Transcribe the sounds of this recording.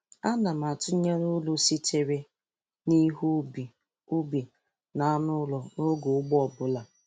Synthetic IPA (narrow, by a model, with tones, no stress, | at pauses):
a˦na˨m˨a˨tʊ˦ɲe˦ɾʊ˦lʊ˨si˦tʰe˨ɾe˦ | ni˦ɦu˦bi˨ | u˦bi˨ | na˨a˦nʊ˦lɔ˨no˦ɡo˨ʊ˦ɡ͡bɔ˨bʊ˦la˨